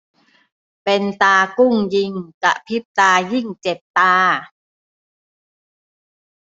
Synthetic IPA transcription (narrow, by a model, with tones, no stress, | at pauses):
pe˧nt̪aː˧ku˥˩ŋji˧ŋka̰˧˩ʔpʰi˦˥p̚t̪aː˧ji˥˩ŋt͡ɕe˨˩t̪t̪aː˧